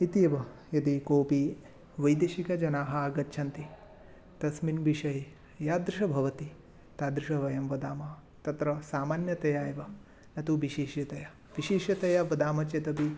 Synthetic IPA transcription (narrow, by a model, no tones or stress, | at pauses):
it̪ijɐʋɐ | jɐd̪ikoːpi | ʋɐjd̪eːʃikɐd͡ʒɐnaːɦɐaɡɐtːʃʰɐnt̪i | t̪ɐsminbiʃɐɦi | jaːd̪ɾuʃɐbʱɐʋɐt̪i | t̪aːd̪ɾuʃɐʋɐjɐmʋɐd̪aːmɐ | t̪ɐt̪ɾɐsaːmaːnjɐt̪ɐjaːjɐʋɐ | nɐt̪uʋiʃeːʃjɐt̪ɐjɐ | ʋiʃeːʃjɐt̪ɐjɐʋɐd̪aːmɐt͡ʃɐt̪ɐpi